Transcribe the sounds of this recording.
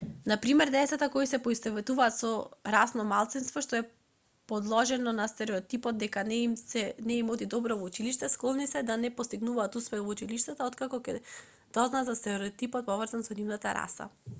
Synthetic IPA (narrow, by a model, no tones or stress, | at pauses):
napɾimɛɾd̪ɛsat̪akɔisɛpɔist̪ɛvɛt̪uvaːt̪sɔɾasnɔmalˠt̪sinst̪vɔʃt̪ɔɛ | pɔd̪lˠɔʒɛnɔnast̪ɛɾɛɔt̪ipɔd̪̚d̪ɛkanɛmsɛnɛimɔd̪id̪ɔbɾɔvɔut͡ʃiliʃt̪ɛsklɔlˠnisɛd̪anɛpɔst̪iɡnuvaːt̪uspɛvɔut͡ʃiliʃt̪at̪aɔt̪kakɔkɛ̰ | d̪̥ɔznazast̪ɛɾɛɾɛt̪ipɔt̪̚pɔvrzansɔnivnat̪aɾa̰sa̰